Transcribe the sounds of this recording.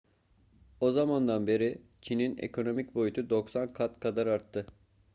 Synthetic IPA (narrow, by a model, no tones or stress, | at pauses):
o̞zamand̪anbe̞ɾit͡ʃʰininḛkʰo̞no̞mic̚bo̞jut̪ʰud̪o̞ksankʰat̪kʰad̪aɾaɾt̪ʰːɯ